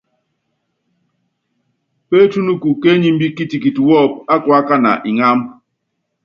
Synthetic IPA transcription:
pe˦tu˦nu˦ku˨ke˦ɲi˦m̩˦bi˦ki˦ti˨ki˨tu˨wɔ˦˨p̚a˦kwa˦ka˦na̰˨ʔi˨ŋa˦m

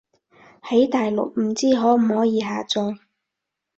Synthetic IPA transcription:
hɐ˨˥jt̪aː˨jlʊ̰˨k̚m̩˨˩t͡siː˥˩ɦɔː˨˥m̩˨˩hɔː˨˥jiː˨˧ɦaː˨t͡sɔː˧ŋ

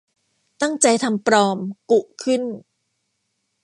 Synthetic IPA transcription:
t̪a˥˩ŋt͡ɕa˧jt̪ʰa˧mpɾɔː˧mku˨˩ʔkʰɯ˥˩n

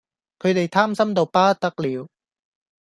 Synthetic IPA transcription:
kʰɵ˨˧ɥt̪e˨jt̪ʰaː˥msɐ˥mt̪o˨wpaː˥t̪ɐ˥k̚liː˨˧w

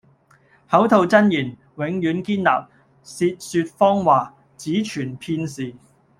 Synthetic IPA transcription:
hɐ˨˥wt̪ʰo˨˧wt͡sɐ˥njiː˨˩n | wɪ˨˥ŋjyː˨˥nkiː˥nla̰ː˨p̚ | siː˧t̚syː˧t̚fɔː˥ŋwaː˨ | t͡siː˨˥t͡ʃʰyː˨˩npʰiː˧nsiː˨

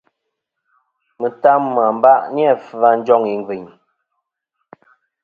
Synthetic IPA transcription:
mə˨ta˦mːa˨m̩˦ba˦˨ʔni˦a˦˨fa˦n˦d͡ʒɔ˦˨ŋi˨ŋ˦ɡi˨ɲ

